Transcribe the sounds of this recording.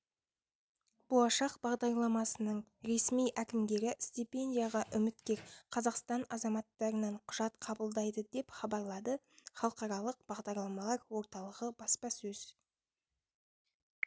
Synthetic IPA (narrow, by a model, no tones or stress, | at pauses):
b̥o̞lˠɑʃɑqb̥ɑʁd̪ɑɾlˠɑmɑsənəɴɾe̞smijʔækʲɪmd̪e̞ɾɪst̪ipʲe̞ndʲijaʁɑʔʏmɪt̪kʲe̞ɾqʰɑzɑqst̪ɑnɑzɑmɑt̪ːɑɾənɑɴqʰʊʒ̥ɑt̪qʰɑbəlˠd̪ɑjd̪əd̪e̞pχɑbɑɾlˠɑd̪ə | χɑlˠəqɑɾɑlˠəq̚b̥ɑʁd̪ɑɾlˠɑmɑlˠɑɾwo̞ɾt̪ɑlˠəʁəbɑspɑsɵz̥